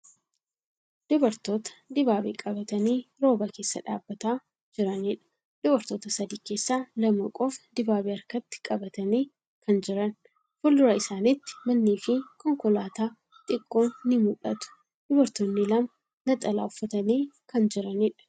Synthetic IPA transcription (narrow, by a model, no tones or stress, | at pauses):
d̪̥ʊbɐɾt̪o̞ːt̪ɐ̥d̪ɪbaːbḛːkʼɐbɐt̪ɐniːɾo̞ːbɐke̞ːsːɐ̰ᶑa̰ːbːɐt̪aː | d͡ʒɪɾɐnɪᶑɐ̥ | d̪̥ʊbɐɾt̪o̞ːt̪ɐsɐd̪iːke̞ːsːaːlɐmɐkʼofd̪ɪbaːbeɐɾkɐt̪ːɪ̥kʼɐbɐt̪ɐniː | kʰɐnd͡ʒɪɾɐn | fʊldʊɾɐɪsaːnɪt̪ːɪ̥mɐnːiːfɪkɔŋkɔlaːt̪aː | t̪ʼɪkʼːo̞ːnːɪmʊᶑɐt̪ʊ̥ | d̪̥ʊbɐɾt̪oːnːɪlɐm | nɐt̪ʼɐla̰ːʊfːɐt̪ɐniːkɐnd͡ʒɪɾɐnɪᶑɐ̥